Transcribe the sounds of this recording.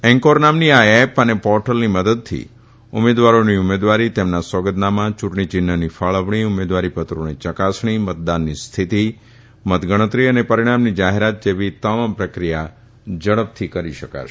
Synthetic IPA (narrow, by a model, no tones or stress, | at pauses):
ɛ̃ŋkoɾnamniaepənepɔɾʈəlniməd̪əd̪̚t̪ʰḭ | ʊ̰med̪ʋaɾoniumed̪ʋaɾit̪emnaswəɡəd̪namãt͡ʃuʈɳ̃it͡ʃɪnːənifaɭəʋɳ̃iʊmed̪ʋaɾipət̪ɾonit͡ʃəkasɳ̃imət̪̚d̪anːist̪ʰit̪i | mət̪ɡəɽ̃ət̪ɾiənepəɾiɽ̃amnid͡ʒaɦeɾat̪̚d͡ʒeʋit̪əmampɾəkɾija | d͡ʒəɭəp̚t̪ʰikəɾiʃəka̰ʃ